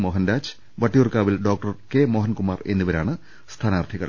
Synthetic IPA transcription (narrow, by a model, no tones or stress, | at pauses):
moːɦɐnɾaːd͡ʑ̥ | ʋɐʈːijurkaːʋilɖo̞ːk̚ʈɐrkemoːɦɐnkumaːre̞̰nːuʋɐɾaːɳɨ | st̪ʰaːnaːrt̪ʰiɣɐ̰ɭ